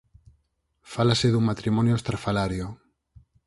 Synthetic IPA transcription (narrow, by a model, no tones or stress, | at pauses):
falaseðuŋmat̪ɾimonjoest̪ɾafalaɾjo